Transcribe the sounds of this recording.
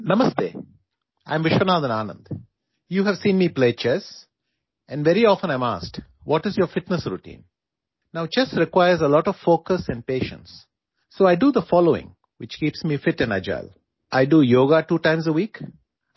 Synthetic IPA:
nʌməsɖḛː | ʔã̰ɪ̃mʋɪʃənaːd̪ə̃naːnə̰̃nd̪ | juːɦæʋsĩːnmiːpleːt͡ʃɛs | ʔɛ̃nɖʋɛɾiɔːfə̃nãɪ̃ma̰ːsk | ʋɔʈɪzjɔɾfɪʈnəsɾuʈḭ̃ːn | naʊt͡ʃɛsɾɪkwaɪəɾzəlɔːʈɔʋfoːkəsɛ̃ɳɖ̚peːʃə̰̃nsː | oːaɪɖud̪əfɔːloːɪ̰̃ŋ | wɪt͡ʃkiːpsmiːfɪʈɨ̃naɪd͡ʒa̰ɪl | ʔaɪɖujoːɡaʈuːʈãɪ̃mzəwiːk

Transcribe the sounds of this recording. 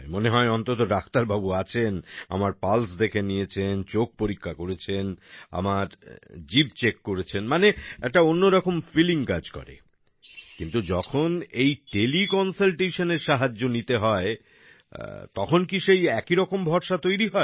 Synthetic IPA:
moneɦɔeɔnt̪ot̪oɾakʰt̪aɾbabuat͡ɕʰena̰maɾpalsd̪ekʰenijet͡ɕʰent͡ɕok̚poɾikʰːakoɾet͡ɕʰena̰maɾd͡ʑib̚t͡ɕekːoɾet͡ɕʰenmaneɛk̚ʈaonːoɾɔkomfiliŋkad͡ʑkɔ̰ɾḛ | kint̪ud͡ʑɔkʰonejʈelikɔnsalʈeʃoneɾʃaɦad͡ʑːonit̪eɦɔḛ | t̪ɔkʰonkiʃejɛkiɾɔkombʱɔɾʃat̪ojɾiɦɔe

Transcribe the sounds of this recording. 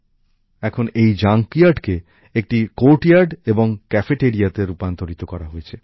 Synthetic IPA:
ɛkʰonejd͡ʑaŋkijaɾɖke | ek̚ʈikoɾʈiaɾɖeboŋkɛfeʈeɾiat̪eɾupant̪oɾit̪okɔɾaɦojet͡ɕʰe

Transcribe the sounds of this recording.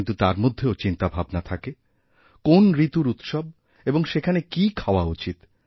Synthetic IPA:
nt̪ut̪aɾmod̪ʱːeot͡ɕint̪abʱabnat̪ʰake | konɾit̪uɾut̪ʃob̚ | eboŋʃekʰanekikʰaoaut͡ɕit̪

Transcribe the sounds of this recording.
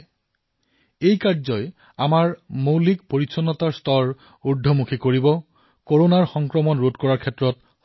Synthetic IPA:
ejkaɹzɔj | amaɹmowlik̚poɹisɔnːɔtaɹstɔɹ | uɹdʱɔmukʰikoɹibɔ | koɹonaɹxɔŋkɹɔmɔnɹutkɔɹaɹkʰɛtɹɔt

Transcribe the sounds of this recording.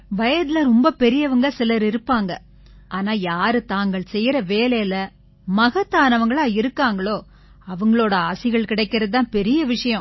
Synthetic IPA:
ʋɐjɐd̪ɪlɐɾɔmbɐpɛɾɪjɐʋɐŋɡɐsɪlɐɾɪɾɯpːaːŋɡɐ | ʔaːnaːjaːɾɯt̪aːŋɡɐɭsɛjːɾɐʋeːlɐjɐlɐ | mɐɣɐt̪ːaːnɐʋɐŋɡɐɭaːɪɾɯkːaːŋɡɐɭoː | ɐʋɐŋɡɐɭoːɽɐaːsɪɣɐɭkɪɽɐɪkːɪɾɐðt̪ːãːpɛɾɪjɐʋɪʂɐjɐ̃

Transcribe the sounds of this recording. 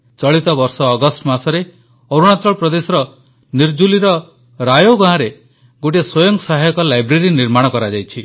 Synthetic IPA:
t͡ʃɔɭit̪ɔbɔɾsɔːɡɔsʈmasɔɾe | oɾuɽ̃at͡ʃɔɭpɾɔd̪esɔɾɔ | niɾd͡ʒuliɾɔ | ɾajoɡãɦãɾe | ɡoʈ̬iswɔjɔŋksaɦajɔkɔlajbɾeɾiniɾmaɽ̃ɔkɔɾad͡ʒajt͡ʃʰi

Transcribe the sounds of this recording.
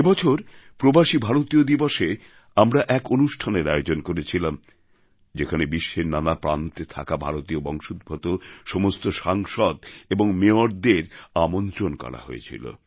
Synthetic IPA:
ebɔt͡ɕʰoɾpɾobaʃibʱaɾot̪iod̪iboʃe | amɾaʔɛkonuʃʈʰaneɾajod͡ʑonkoɾet͡ɕʰilam | d͡ʑekʰanebiʃːeɾnanapɾant̪et̪ʰa̰kabʱaɾot̪iobɔŋʃud̪̚bʱot̪oʃɔmost̪oʃaŋʃɔd̪eboŋmeoɾd̪eɾamont̪ɾonkɔ̰ɾa̰ɦo̰ḛt͡ɕʰḭlo̰

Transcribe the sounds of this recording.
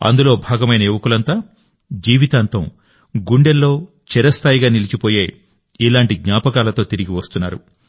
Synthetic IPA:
ɐ̰nd̪ulo̞ːbʱaːɡɐmɐjnɐeːʋɐkulɐnt̪aː | d͡ʒiːʋit̪aːnt̪ɐm | ɡuɳɖelːo̞ː | t͡ʃɛɾɐst̪ʰaːjiɡaːnilit͡ʃipoːjeː | ilaːɳʈiɡɲaːpɐkaːlɐt̪o̞ːt̪iɾiɡiʋɐst̪unːaːɾṵ

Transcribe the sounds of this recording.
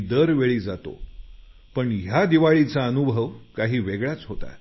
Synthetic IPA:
d̪əɾʋeɭiːd͡zat̪o̰ | pəɳjad̪iʋaɭit͡saənubʱəʋkaɦiːʋeɡɭjat͡sɦot̪a̰

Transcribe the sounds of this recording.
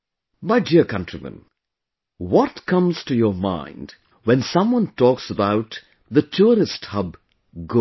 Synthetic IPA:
maɪdiəkʰʌ̃ntɹ̥imə̰̃n | wɔtkʰʌ̃mz̥tujəmã̰ɪ̃nd | wɛ̃nsʌ̃mwʌ̃ntɔksəbaʊt | ðətʰuɾɪsthʌb | ɡo

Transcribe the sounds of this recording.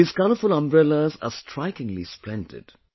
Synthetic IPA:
ɪskaləfʊlə̃mbɾɛləza̰sʈʰɾaɪkɪ̃ŋlḭsplɛ̃ntɪ̰d̥

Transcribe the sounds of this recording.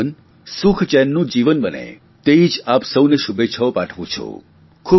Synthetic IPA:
ən | sʊkʰt͡ʃɛnːũd͡ʒiʋənbənḛ | t̪eid͡ʒapsəwneʃubet͡ʃʰəopaʈʰʋũt͡ʃʰo̰ | kʰu

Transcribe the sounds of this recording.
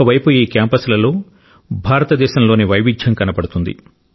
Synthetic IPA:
ɐʋɐjpuiːkaːmpɐslɐlo̞ː | bʱaːɾɐt̪ɐd̪ɛːʃɐmlo̞ːniʋɐjʋid͡ʒʱjɐŋkɐnɐpɐɽut̪und̪ḭ

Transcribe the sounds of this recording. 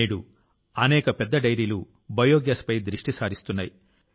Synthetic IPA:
eːɽu | ɐnɛːkɐpɛd̪ːɐɖɐjɾiːlu | bɐjoːɡjɐspɐjd̪ɾiʂʈisaːɾist̪unːaːji

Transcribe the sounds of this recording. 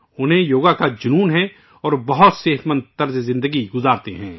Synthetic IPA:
ʊnɦẽjoːɡakad͡ʒʊnuːnɦɛ̃ | ɔːɾbɐɦʊt̪seːt̪mə̃nt̪̚ːɐɾzzɪ̃nd̪əɡiɡʊzaːɾt̪eɦɛ̰̃ː

